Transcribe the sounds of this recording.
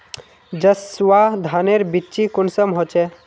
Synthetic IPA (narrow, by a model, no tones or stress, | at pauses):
d͡ʒəsʋad̪ʱaneɾbitːt͡ʃikʊnsəmɦot͡ʃe